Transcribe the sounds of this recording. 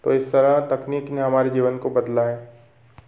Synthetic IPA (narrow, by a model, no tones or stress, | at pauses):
t̪o̰ːɪst̪ɐɾat̪ɐkniːkneɦɐmaːɾed͡ʒiːʋənkobɐd̪laɦɛː